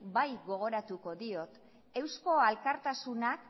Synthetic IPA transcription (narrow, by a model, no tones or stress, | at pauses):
bajɣo̞ɣ̞o̞ɾat̪uko̞ðio̞t̪ | e̞wsko̞alkaɾt̪asunak